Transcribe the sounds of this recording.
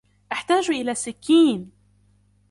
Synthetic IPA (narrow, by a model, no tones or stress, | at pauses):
ʔaħt̪aːʒʔɪlaːsɪkːiːn